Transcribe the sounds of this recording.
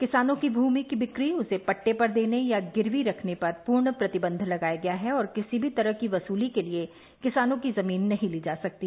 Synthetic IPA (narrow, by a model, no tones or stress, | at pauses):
kɪsaːnõkibʱuːmikibɪkɾiʊsepɐʈːepɐɾd̪eːnejaɡɪɾʋiɾɐkʰnepɐɾpuːɾɳəpɾɐt̪ɪbə̃nd̪ʱlɐɡaːjaɡɐjaɦɛɔːɾkɪsibʱit̪ɐɾəɦkiʋɐsuːlikelie | kɪsaːnõkizɐmiːnːɐɦĩliːd͡ʒaːsɐk̚t̪iː